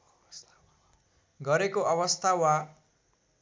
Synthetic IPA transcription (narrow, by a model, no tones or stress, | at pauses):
ɡʌɾekoʔʌβʌst̪ʰawa